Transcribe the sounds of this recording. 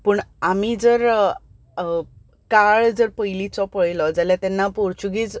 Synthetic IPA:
pəɳamiːd͡zəɾ | kaɭd͡zəɾpəjlit͡sɔpəɭlɔd͡zaljat̪ɛnːapoɾt͡ɕuɡiːt͡s

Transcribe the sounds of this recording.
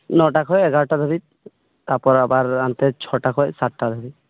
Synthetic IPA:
nɔʈakʰɔjɛɡaɾɔʈad̪ʱɔbi | t̪aɾpɔɾabaɾant̪et͡ʃʰɔʈakʰɔjsaʈʈad̪ʱɔbi

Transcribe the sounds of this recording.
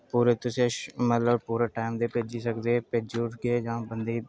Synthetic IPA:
puːɾet̪ʊsẽmət̪ləbpuːɾaʈaːɪmd̪epeːd͡ʒisəkd̪eped͡ʒuːʈkeed͡ʒãbənd̪e

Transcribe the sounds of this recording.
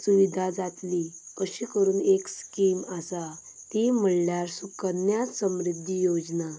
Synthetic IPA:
suʋid̪ʱad͡zat̪likəɕiːkəɾuːnekskimasa | t̪im̤əɭljaɾsukənjat͡ssəmɾid̪ʱːijod͡zna

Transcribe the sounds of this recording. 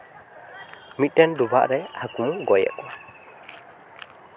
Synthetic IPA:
mit̪̚ˀʈɛnduba̰ʔɾɛhakũɡɔjɛ̰ʔkɔ

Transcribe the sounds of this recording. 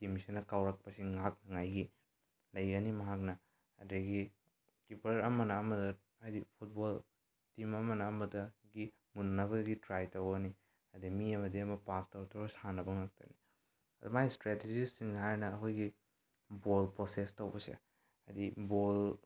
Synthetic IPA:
timsinɐkawɾɐk̚pɐsiŋak̚nɐŋajɡi | lɐjɡɐnimɐɦak̚nɐ | ɐdeɡi | kipʰɐɾɐmɐnɐːmɐdɐ | ajdipʰut̚bol | timɐmɐnɐːmɐdɐɡi | munnɐβɐɡitɾajtɐwɡɐni | ɐdimiɐmɐdiɐmɐpastɐɾtʰowbɐsanɐbɐŋak̚tɐ̰ni | ɐdumajstɾeted͡ʒisiŋhajnɐːkʰojɡi | bolpɾosestɐwbɐsḛ | a̰dibol

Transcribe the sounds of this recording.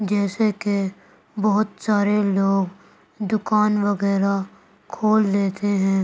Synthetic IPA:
d͡ʒɛːseke | bɔɦʊt̪saːɾeloːɡ | d̪ʊkaːnʋəɡɛːɾa | kʰoːld̪eːt̪eɦɛ̃ː

